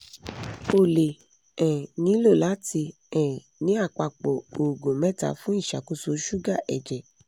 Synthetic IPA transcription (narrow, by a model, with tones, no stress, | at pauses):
o˨le˨ | ɛ̃˨nĩ˨˦lo˦˨la˨˦ti˧ | ɛ̃˨ | nĩ˨˦a˦˨k͡pa˧˨k͡pɔ˨o˨ɡõ˨mɛ̃˦˨ta̰˧˦fũ˦i˦˨ʃa˨ku˦so˧˦ʃu˦ɡa˦˨ʔɛ˨d͡ʒɛ˨